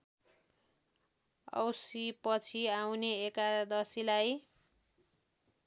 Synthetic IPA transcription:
ʌ̰wsipʌt͡sʰiawneːkad̪ʌsilaj

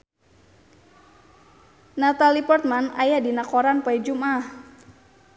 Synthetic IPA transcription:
nat̪alipɔrt̪̚mana̰jadinakoɾanpaid͡ʒumʔah

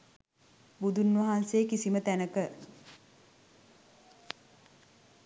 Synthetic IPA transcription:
bud̪unʋɐɦansejːkisimət̪ænəkə

